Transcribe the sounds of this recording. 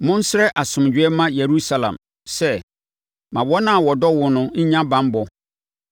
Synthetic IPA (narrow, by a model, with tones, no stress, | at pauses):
mʊ̃˦n̩˦sɪ˦ɾɛ˦ʔa˨sʊ̃˨md͡ʑᶣɪ˨˦ɛ˦mã˦je˨ɾu˦sa˨lã̰˨m | sɛ˦ | mã˨bɔ˦nã˦˨wɔ˨dɔ˦wʊ˨nʊ̃˦ɲ̩˦ɲã˦bã˦mbɔ˨